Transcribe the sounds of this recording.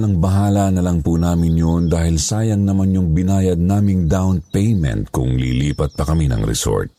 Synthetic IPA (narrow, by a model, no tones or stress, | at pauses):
lɐŋbɐɦaːlɐnɐlaŋpunaːmɪnjond̪aːhɪlsaːjɐŋnɐmanɲoŋbɪnaːjɐd̪̚naːmɪŋd̪awnpɛjmɛ̰nt̪̚kʊ̰ŋlḭːliːpɐt̪̚pɐkɐminɐ̰ŋɾɛ̰so̰ɹt̪̚